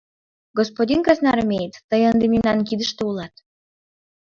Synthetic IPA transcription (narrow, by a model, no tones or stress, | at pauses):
ɡospodʲinkɑznɑɾəmʲejət̪ːəjənd̪emʲimnɑnkid̪ə̆ʃt̪eulˠɑt̪